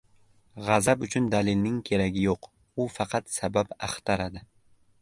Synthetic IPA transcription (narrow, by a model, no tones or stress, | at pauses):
ʁɑzabʊt͡ʃʰʊnd̪alɪlnɪŋkʲʰe̞ɾaɡʲɪjoq | ʊfɑqʰɑt̪sababaχt̪ʰaɾad̪ɪ